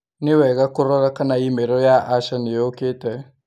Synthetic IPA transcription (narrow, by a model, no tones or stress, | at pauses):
nɪwɛɣakʊɾɔɾakanaimeɾɔjaʔaʃanɪjoketɛ